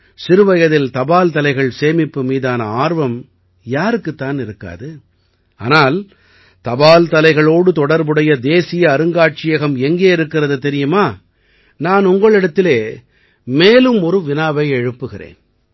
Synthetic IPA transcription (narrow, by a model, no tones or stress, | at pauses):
sɪɾɯʋɐjɐðɪlt̪ɐbaːlt̪ɐlɐɪɣɐɭseːmɪpːɯmiːðaːnɐ̰aːɾʋɐm | jaːɾɯkːɯt̪ːaːnɪɾɯkːa̰ːðɯ | a̰ːnaːl | t̪ɐbaːlt̪ɐlɐɪɣɐɭoːɽɯt̪ɔɽɐɾbɯɽɐjɐd̪eːsɪjɐːɾɯŋɡaːʈ̚t͡ʃɪjɐɣɐmɛŋɡeːɪɾɯkːɪrɐðɯt̪ːɛɾɪjɯmaː | naːnʊŋɡɐɭɪɽɐt̪ːɪleː | meːlɯmɔɾɯʋɪnaːʋɐɪɛɻɯpːɯɣɪrḛːn